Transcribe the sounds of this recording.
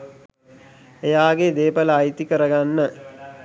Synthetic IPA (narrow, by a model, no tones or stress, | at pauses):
ejaːɡed̪eːpələaːjit̪ikəɾəɡanːə